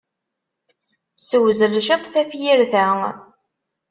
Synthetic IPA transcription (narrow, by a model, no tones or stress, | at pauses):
səwzərʃət̪ˤθæfjiɾθæ